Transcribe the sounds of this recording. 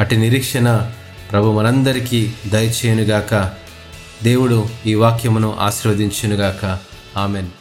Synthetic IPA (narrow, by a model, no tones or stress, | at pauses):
ɐʈiniɾiːkʂɐnɐ | pɾɐbʱumɐnɐnd̪ɐɾikid̪ɐjɐt͡ʃɛːjɐnuɡaːkɐ | d̪e̞ːwuɽuiːʋaːkjɐmnuʔa̰ːʃiɾʋɐd̪iɲt͡ʃinuɡaːkɐ | aːmeːn